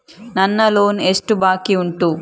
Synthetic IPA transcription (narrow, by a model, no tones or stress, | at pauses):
nɐnːɐlo̞ːnesʈubaːkiuɳʈuː